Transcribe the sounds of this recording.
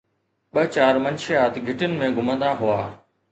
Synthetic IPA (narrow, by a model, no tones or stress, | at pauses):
ɓɐt͡ɕaːɾmɐnʃɪjaːt̪ɡʱɪʈənɪ̆mẽɡʱʊmə̃nd̪aɦʊaː